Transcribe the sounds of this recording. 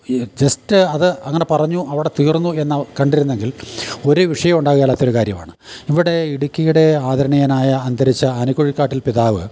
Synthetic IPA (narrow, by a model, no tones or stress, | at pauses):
d͡ʑɐstɨɐðɨɐŋːɐne̞pɐrɐɲːuʔɐʋiɽe̞t̪iːrnːue̞nːɐkɐɳɖiɾunːe̞ŋɡilo̞ɾuʋiʂɐjɐmuɳɖaːɣuɣjɐlːaːt̪ːoukaːɾjɐma̰ːɳɨiʋiɽe̞iɽukʲːijuɽe̞aːd̪ɐɾɐɳijɐnaːjɐːnd̪ɐɾit͡ɕːɐːnukoɻikːaːʈːilpiðaːʋɨ